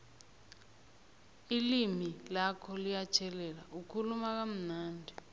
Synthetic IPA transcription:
ilimilakʰɔlijat͡ʃʰɛlɛlaukʰulumak̬am̩naːndʱɛ

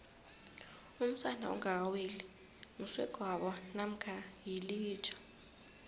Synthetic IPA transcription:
um̩sanʱa̰ṵŋaaweli | nuswɛɡ̥ʱwaɓɔnam̩kʰajiliːt͡ʃʰʼḁ

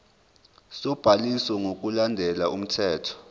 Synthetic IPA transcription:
sɔb̥ʱalisɔŋʱok̬ʼulandʱɛlaum̩tʰɛːtʰɔ̥

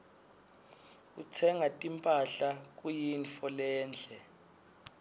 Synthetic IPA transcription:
k̬ut͡sʰɛŋatʼimpʼaɬak̬ujinfɔlɛːnd͡ɮʱɛ

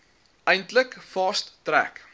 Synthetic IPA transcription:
əjntləkfɑstːræk

